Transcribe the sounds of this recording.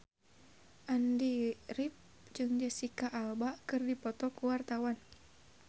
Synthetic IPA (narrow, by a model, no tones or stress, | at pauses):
ʔandiɾip̚ | d͡ʒɨŋd͡ʒasikaʔalbakɨrdipɔt̪ɔkuwart̪awan